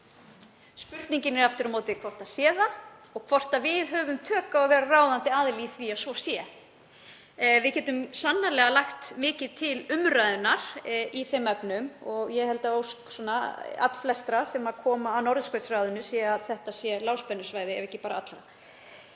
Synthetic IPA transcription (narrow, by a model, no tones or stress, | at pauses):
spʏɾt̪niɲcɪnɛɾaft̪ɪɾɔmoːwt̪ɪkʰvɔr̥t̪asjɛːðaɔɣkʰvɔr̥t̪avɪðɦœvʏmt̪ʰœːkaɔvɛːɾaraːwðant̪ɪaðliθviasvɔsjɛ | vɪðcɛːt̪ʏmsanːalɛːɣalaxt̪mɪːcɪðt̪ʰɪlʏmrajðʏnːaɾ̥iθejmːɛpnʏmɔɣjɛhɛlt̪aowsksɔnːaa̰t̪l̥flɛst̪ɾasɛmaðkʰɔːmaːnɔɾðskœɥjt̪sraːwðʏnʏsiːaðθɛht̪asjɛlaːwspɛnːʏsvaːjðɪɛ̰vɛhcɪpaːɾaat̪lɾa